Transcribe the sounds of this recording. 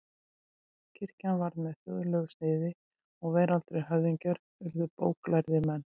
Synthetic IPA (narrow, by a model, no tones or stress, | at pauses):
cʰɪɾ̥canvaɾðmɛðθœ̰ðlœɣsnɪːðɪ | ɔɣveːjɾalt̪ɾejɦœvðiɲcaɾ | vɪɾðʏpoːwklajɾðɪmɛnː